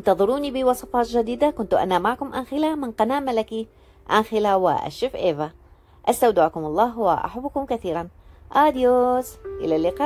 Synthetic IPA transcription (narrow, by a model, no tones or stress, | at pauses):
ɪnt̪ɑðˤɨɾuːnibɪwɑsˤɑfɑːt̪ʒad̪iːd̪akʊnt̪uʔa̰namaʕkʊmʔanxɪlamɪnqɑnaːʔmalaki | ʔanxɪlawɪ̰ʔa̰ʃɪfʔeːva | ʔast̪awd̪ɪʕkʊmɑlˤːɑːɦwaʔa̰ħabːʊkʊmkaθiːɾanʔɑːd̪joːzʔɪ̰lalːɪqɑːʔ